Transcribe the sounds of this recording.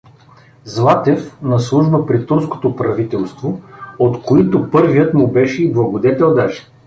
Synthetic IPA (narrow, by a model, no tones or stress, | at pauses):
zlˠat̪ɛfnɐslˠuʒbəpɾit̪uɾsko̥t̪opɾɐvit̪ɛlˠst̪voot̪koit̪ʊpɤɾvijət̪mʊbɛʃɛiblˠɐɡod̪ɛt̪ɛlˠd̪aʃɛ̥